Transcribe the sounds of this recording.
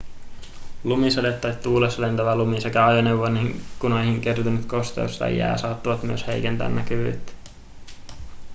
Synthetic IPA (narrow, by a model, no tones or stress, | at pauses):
lumisɑlet̪ːɑjt̪t̪ːuːlesɑlent̪æʋælumisekæɑjoneʋʋoniŋkunojɦiŋke̞rt̪unyt̪ko̞st̪ḛust̪ɑ̰jæ̰ːsɑːt̪ːuʋɑt̪myøshe̞jkent̪æ̰ːnːækyʋy̰t̪ː